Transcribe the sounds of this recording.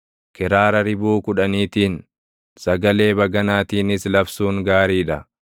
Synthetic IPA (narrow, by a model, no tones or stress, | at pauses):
kɪɾaːɾɐɾɪbuːkʊᶑɐniːt̪iːn | sɐɡɐle̞ːbɐɡɐnaːt̪iːnɪslɐfsuːŋɡaːɾiːᶑɐ